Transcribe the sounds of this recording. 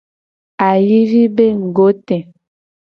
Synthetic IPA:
a˨ji˦vi˦be˦ŋ̩˨ɡo˨˦tɛ̃˨

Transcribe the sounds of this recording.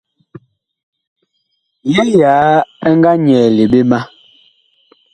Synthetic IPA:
je˦jaː˨˦ɛ˦ŋ˦ɡa˦ɲɛː˨le˨ɓe˦ma˦

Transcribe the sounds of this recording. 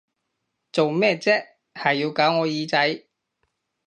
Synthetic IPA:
t͡so˨wmɛː˥˩t͡sɛː˥ | hɐ˨jːiː˧wkaː˨˥wŋɔː˨˧jiː˨˧t͡sɐ˨˥j

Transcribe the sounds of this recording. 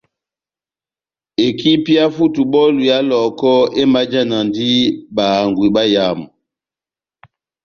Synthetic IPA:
e˨ki˦pi˦a˦fu˦tu˨ɓɔ˦lu˨ja˦lɔ˨kɔ˦e˦ma˦d͡ʒa˦na˨ndi˦ɓa˨ŋɡwi˨ɓa˦ja˨mu˨

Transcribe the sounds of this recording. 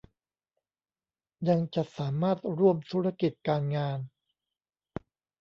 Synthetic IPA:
ja˧ŋt͡ɕa˨˩ʔsaː˩˦maː˥˩t̪̚ɾu˥˩əmt̪ʰuː˦˥ɾa˧ki˨˩t̪̚kaː˧nŋaː˧n

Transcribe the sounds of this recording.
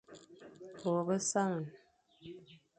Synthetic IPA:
bɔ˨bə˦sa˦ŋə˨n

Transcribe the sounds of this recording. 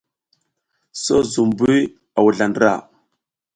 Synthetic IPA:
so˦zu˨mbu˦j | a˨wu˨ɮa˨ndɾa̰˨

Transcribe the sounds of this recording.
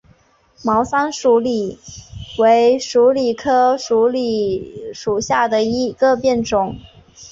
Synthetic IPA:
mɑ˧˥ʊsa˥nʂu˧˥li˨˩˦we˧˥ɪʂu˧˥li˨˩kʰɤ˥ʂu˧˥li˨˩ʂu˨˩ɕja˥˩d̪ə˩i˧˥ɡ̥ə˧pjɛ˥˩nʈ͡ʂʊ˨˩˦ŋ

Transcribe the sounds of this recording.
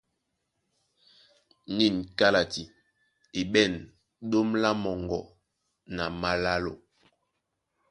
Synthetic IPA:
ni˦˨nka˦la˨ti˨ | i˨ɓɛ˦˨n | ɗo˦mla˦mɔ˨ŋɡɔ˨ | na˨ma˨la˦lo˨

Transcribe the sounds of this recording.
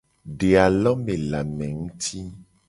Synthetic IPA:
ɖe˨a˨lɔ˦mẽ˨la˨mɛ̃˨ŋũ˦t̪ʰi˦

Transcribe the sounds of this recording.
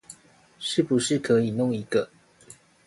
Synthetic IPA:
ʂɻ̩˥˩pu˨˦ʂɻ̩˥˩˨kʰə˧˦i˨˩no˥˩ŋi˨˧˥ɡə˧

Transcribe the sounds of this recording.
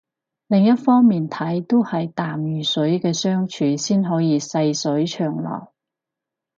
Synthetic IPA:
lɪ˨ŋjɐ˥t̚fɔː˥ŋmiː˨nt̪ʰɐ˨˥jt̪o˥whɐ˨jt̪aː˨mjyː˨˩sɵ˨˥jkɛː˧sœː˥ŋt͡ʃʰyː˨˥siː˥nɦɔː˨˥jiː˨˧sɐ˧jsɵ˨˥jt͡ʃʰœː˨˩ŋlɔ̰ː˨˩j

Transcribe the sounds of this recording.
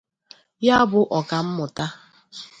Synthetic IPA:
ja˦bʊ˦ʔɔ˨ka˨m̩˦mʊ˨ta˦

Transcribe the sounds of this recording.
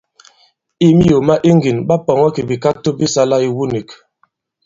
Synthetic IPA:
i˦mi˦jo˨ma˦ʔi˦ŋ˦ɡi˨nba˦pɔ˨ŋɔ˦ki˨bi˨ka˦to˦bi˦sa˦la˦i˨wu˦ni˨k

